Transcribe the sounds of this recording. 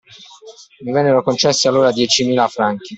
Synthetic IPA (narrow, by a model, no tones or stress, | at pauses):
mivɛnːeɾokont͡ʃɛsːialːoːɾad̪jɛt͡ʃimiːlafɾaŋk̟i